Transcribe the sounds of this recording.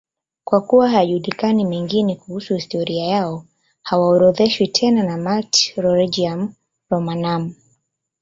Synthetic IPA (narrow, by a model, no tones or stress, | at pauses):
kwakuwaɦajaʄulikanimɛŋɡinɛkuhusuhistɔɾiajaɔ | hawaɔɾɔðɛʃwitʰɛnanamaltɾɔɾid͡ʒiam | ɾɔmanam